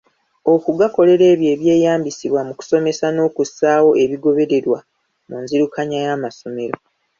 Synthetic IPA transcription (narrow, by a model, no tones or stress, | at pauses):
o̞kuɡako̞le̞ɾe̞ːβje̞ːβje̞ːjaːmbisiβwamuku̥so̞me̞sano̞ːkusaːwo̞e̞βiɡo̞βe̞ɾe̞ɾwa | munziɾukaɲajaːmaso̞me̞ɾo